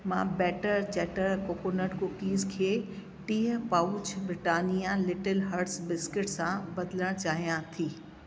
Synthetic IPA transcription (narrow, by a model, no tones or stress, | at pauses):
mã̰ːbɛːʈəɾt͡ɕɛːʈəɾkoːkonəɽkʊkiːzkʰeː | ʈiːɦəpaːʊt͡ɕbɾɪʈaːnijalɪʈəlɦɐɾʈsbɪskɪʈsãbɐd̪ɪləɽ̃t͡ɕaːɦijãt̪ʰiː